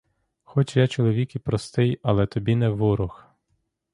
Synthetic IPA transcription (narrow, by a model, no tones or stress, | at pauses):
xɔt͡ʃjat͡ʃɔlˠɔʋʲikipɾɔst̪ɪjɐlˠɛt̪ɔbʲinɛʋʊɾʊx